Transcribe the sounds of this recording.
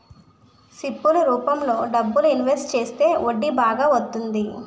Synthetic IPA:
sipːuluɾuːpɐmlo̞ːɖɐbːuluinʋeɾsʈt͡ʃe̞ːst̪e̞ːʔoɖːibaːɡaːʋɐt̪ːund̪i

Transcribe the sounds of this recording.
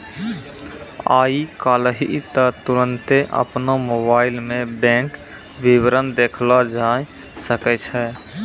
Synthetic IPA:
a̰ːikaːlɦit̪ət̪uɾənt̪eʔə̰pnomobaːɪlmẽbɛ̃ːk | bibɾənd̪ekʰlad͡ʒai | səkɛt͡ʃʰɛ

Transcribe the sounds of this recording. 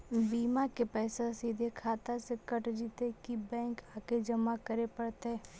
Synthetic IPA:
biːmakepɛːsasiːd̪ʱekʰaːt̪asekəʈd͡ʒiːt̪ekibɛ̃ːŋkaːked͡ʒəmakəɾepəɽt̪eɦɛː

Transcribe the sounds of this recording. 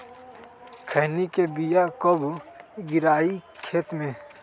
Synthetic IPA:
kʰəɦnikebijakɔbɡɪɾaːikʰeːt̪mẽ

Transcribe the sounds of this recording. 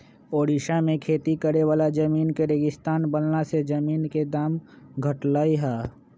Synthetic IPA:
oːɾiʃamẽkʰeːt̪ikəɾeʋaːlad͡ʒəmiːnkeɾeːɡɪst̪aːnbəlnased͡ʒəmiːnked̪aːm | ɡʱəʈlaːiɦaː

